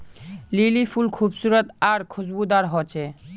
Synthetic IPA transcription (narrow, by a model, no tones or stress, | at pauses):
lilifʰulkʰubsuɾot̪aɾkʰud͡ʑbud̪aɾɦot͡ɕʰe